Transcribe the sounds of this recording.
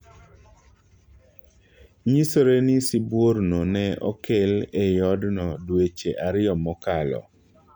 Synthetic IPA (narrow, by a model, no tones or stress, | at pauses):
ɲisoɾenɪsibwoɾnonɛɔ̰kelejɔdnɔdwet͡ʃeʔaɾɪɔmɔkalɔ̰